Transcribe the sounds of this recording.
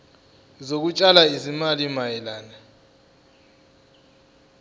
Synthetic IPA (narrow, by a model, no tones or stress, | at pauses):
zok̬ut͡ʃʼalaizimalimajɛlaːna